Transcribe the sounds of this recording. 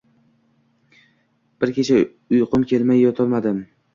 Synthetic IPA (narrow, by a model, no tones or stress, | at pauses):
b̥ɪɾkʲʰet͡ʃʰa | ʊjqʰʊmkʲʰe̞lmajːɒt̪ʰɒlˠmad̪ɪm